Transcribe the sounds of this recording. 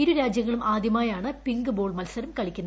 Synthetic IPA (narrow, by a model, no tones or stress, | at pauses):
iɾuɾaːd͡ʑjɐŋːɐɭumʔaːd̪ʱjɐmaːjaːɳɨpiŋɡɨboːɭmɐlsɐɾumkɐɭikʲːunːɐ